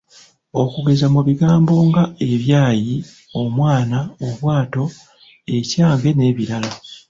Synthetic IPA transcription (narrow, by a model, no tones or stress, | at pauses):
o̞kuɡe̞zamuβiɡaːmbo̞ŋɡae̞βjaːji | o̞mwaːnaoβwaːto̞ | e̞caːŋɡe̞ne̞ːβiɾala